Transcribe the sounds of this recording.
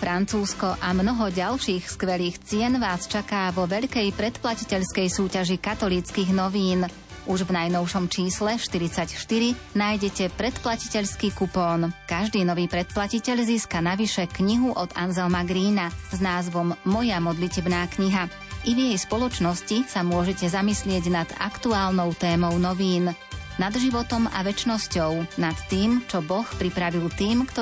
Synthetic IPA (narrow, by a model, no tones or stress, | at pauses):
fɾant͡suːskɔʔamnɔɦɔɟalʃiːxskʋɛliːxt͡sɪɛnʋaːst͡ʃakaːʋɔʋɛʎkɛjpɾɛt̪placicɛʎskɛjsuːcaʒikat̪ɔliːt͡skiːɣnɔʋiːn | ʔuʒvnajnɔʊʃɔmt͡ʃiːslɛʃt̪iɾit͡sacʃt̪iɾi | naːjɟɛcɛpɾɛt̪placi̥cɛʎskiːkupɔːnkaʒd̪iːnɔʋiːpɾɛt̪̚placicɛʎziːskanaʋiʃɛkɲiɦuʔɔd̪anzɛlmaɡɾiːnaznaːzʋɔmːɔjamɔd̪licɛbnaːkɲiɦa | ʔivjɛjspɔlɔt͡ʃnɔscisamʊɔʒɛcɛzamislɪɛɟnad̪̥a̰kt̪uaːlnɔʊt̪ɛːmɔʊnɔʋiːn | nad̪ʒiʋɔt̪ɔma̰ʋɛt͡ʃnɔscɔʊnat̪ːiːmt͡ʃɔbɔxpɾipɾaʋilt̪iːmkt̪ɔ